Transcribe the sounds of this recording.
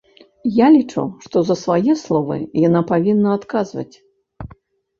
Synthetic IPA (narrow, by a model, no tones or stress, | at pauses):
jalʲit͡ʂṵwʂt̪ɔzɐsvajɛslˠɔvɨ̰janapavʲinːɐat̪kazvɐ̰t͡sʲ